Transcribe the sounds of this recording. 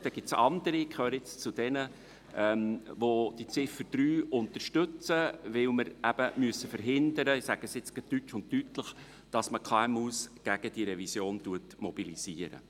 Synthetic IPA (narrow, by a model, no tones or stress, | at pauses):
d̥̪ɛɡ̥ɪtsɑ̰nd̪əɾikχøːɾəɪt͡st͡sʊd̥̪ɛnə | ʔɛmʋod̥it͡sɪfəɾd̥ɾyːʊnt̪əɾʃtɵt͡səʋɪwməɾæb̥əmyəsːəfəɾɦɪndəɾəɪsæɡ̥əsɪt͡sɡ̥ɪtːytʃʊnttːytləχ | d̥ɑsməkʰɑɛmuːsɡ̥æɡ̥əd̥iɾɛvisjoːntuətmɔb̥iliz̥iəɾə̰